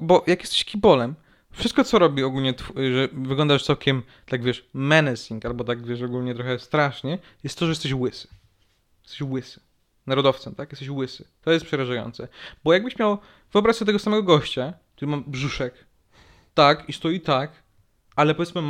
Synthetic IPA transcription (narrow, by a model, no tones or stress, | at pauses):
bɔjakjɛst̪ɛ̥ɕkʲibɔlɛm | fʂɨst̪̚kɔt̪sɔɾɔbʲiɔɡulɲɛt̪fʐɛvɘɡlɔnd̪aʂsawkʲɛm | t̪aɡvʲjɛʂːɛnɛsʲiŋkalbɔt̪aɡvʲjɛʂɔɡulɲɛt̪ɾɔxɛst̪ɾaʂɲɛjɛst̪ːɔʐɛjɛst̪ɛɕwɘsɨ̥ | jɛst̪ɛɕwɘsɨ̥ | naɾɔd̪ɔft̪sɛmt̪akjɛst̪ɛɕwɘsɘ̥t̪ɔjɛst̪̚pʂɛɾaʐajɔ̰nt̪sɛbɔjaɡbɘɕmʲjaw | vɔbɾasɛt̪̬ɛɡɔsamɛɡɔɡɔɕt͡ɕakk̚t̪uɾɘmambʐuʂɛk | t̪akist̪ɔjit̪ak | alɛpɔvʲjɛtsmɘm